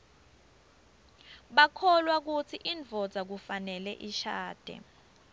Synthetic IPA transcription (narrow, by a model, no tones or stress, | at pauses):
ɓakʰɔlwak̬ut͡sʰiʔiɱvʱɔd̥z̥ʱak̬ufanɛlɛʔiʃaːd̥ʱɛ̰